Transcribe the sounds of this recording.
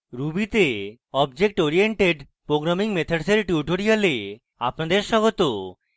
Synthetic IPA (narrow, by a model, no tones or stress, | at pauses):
ɾubit̪e | ɔbd͡ʑek̚ʈoɾieɳʈeɖ | pɾoɡɾamiŋmet̪ʰaɖseɾʈuʈoɾijale | a̰pnad̪eɾʃɔɡot̪o